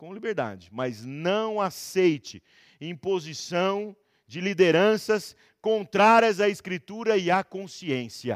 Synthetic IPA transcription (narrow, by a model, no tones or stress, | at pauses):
kõw̃libeɾd̪a̰d͡ʒɪmɐznɐ̃w̃asejt͡ʃɪ | ẽpozisɐ̃w̃ | d͡ʒɪlid̪eɾɐ̃sɐs | kõnt̪ɾaɾiɐzaɪskɾit̪uɾɐɪakõsiẽsiɐ̰